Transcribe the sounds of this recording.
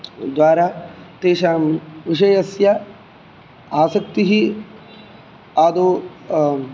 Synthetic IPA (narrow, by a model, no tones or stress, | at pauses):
d̪ʋaːɾaːt̪eːʃaːmʋiʂɐjɐsjɐ | aːsɐk̚t̪iɦi | aːd̪u